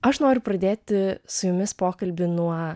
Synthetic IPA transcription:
ɐʃnoːɾʲʊpɾɐd̪ʲeːt̪ʲɪsʊjʊmʲɪspoːkɐlʲbʲɪnuɔ

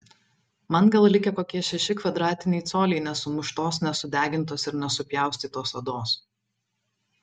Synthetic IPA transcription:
mɐnɡɐlˠlʲɪkʲɛkoːkʲiɛʃʲɛʃʲɪkʋɐd̪ɾɑːt̪ʲɪnʲɛɪt̪soːlʲɛɪnʲɛsʊmʊʃt̪oːsnʲɛsʊd̪ʲæːɡʲɪnˑt̪̬oːsɪɾnʲɛsʊpʲjæˑʊsʲt̪ʲiːt̪oːsɐd̪oːs

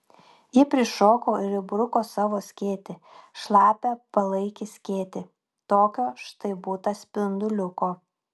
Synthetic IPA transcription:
jɪpʲɾʲɪʃoːkoːɪɾɪbɾʊkoːsɑːʋoːsʲkʲeːt̪ʲɪ | ʃlˠɑːpʲɛpɐlˠɐɪkʲɪsʲkʲeːt̪ʲɪ | t̪oːkʲoːʃt̪ɐɪbuːt̪ɐsʲpʲɪnd̪ʊlʲʊkoː

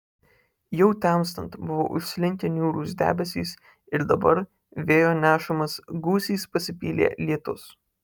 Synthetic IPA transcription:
jɛʊt̪ʲæms̬t̪ɐnt̪bʊʋo̰ːʔʊʃʲsʲlʲɪŋʲkʲɛnʲjuːɾuːsd̪ʲæ̰ːbʲɛsʲḭːs | ɪɾd̪ɐbɐɾ | ʋʲeːjoːnʲæːʃɐmɐsɡuːsʲiːspɐsʲɪpʲiːlʲḛːlʲiɛt̪ʊ̰s

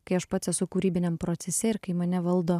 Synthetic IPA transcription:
kɐɪɐʃpɑːt̪sʲɛsʊkuːɾʲiːbʲɪnʲɛmpɾoːt̪sʲɛsʲeːɪɾkɐɪmɐnʲɛʋɐlˠd̪oː

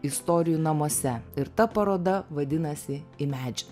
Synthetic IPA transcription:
ɪst̪ɔːɾʲɪjunɐmoːsʲɛɪɾt̪ɐpɐɾoːd̪ɐʋɐd̪ʲɪnɐsʲɪɪmʲæːd͡ʒʲɛ

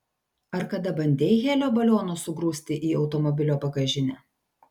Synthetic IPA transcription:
ɐɾkɐd̪ɐbɐnʲd̪ʲeːjɣʲeːlʲoːbɐlʲoːnoːsʊɡɾuːsʲt̪ʲɪʔiːɒʊt̪ɔmɔbʲɪlʲoːpɐɡɐʒʲɪnʲɛː

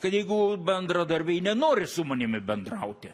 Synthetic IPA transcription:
kɐt̪jɛɪɡʊbʲɛnd̪ɾɐd̪ɐɾʲbʲɛɪnʲɛnoːɾʲɪsʊmɐnʲɪmʲɪbʲɛnd̪rɐʊt̪ʲɪ

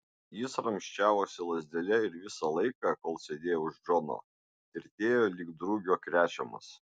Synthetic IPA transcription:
jɪsɾɐmʲʃʲt͡ʃʲæːʋoːsʲɪlˠɐzʲd̪ʲɛlʲɛɪɾʋʲɪsɑlˠɐɪkɑˑkoːlˠsʲed̪ʲeːjoʊʒd͡ʒono̰ | ɪɾt̪ʲeːjoːlʲiɡd̪ɾuɡʲoːkɾʲæːt͡ʃʲɛmɐ̰s

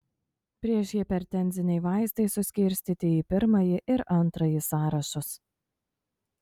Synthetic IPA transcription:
pʲɾʲiɛʃjɪpʲɛɾt̪ʲɛnʲzʲɪnʲɛɪʋɑˑɪst̪ɐɪsʊsʲkʲɪɾʲsʲt̪ʲiːt̪ʲɪiːpʲɪɾmɐjɪʔɪɾɐnˑt̪ɾɐjɪsɑːɾɐʃʊs

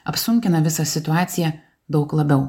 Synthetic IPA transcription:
ɐpsʊŋʲkʲɪnɐʋʲɪsɐsʲɪt̪ʊɑːt̪sʲɪjɛ | d̪ɒʊklˠɐbʲɛʊ

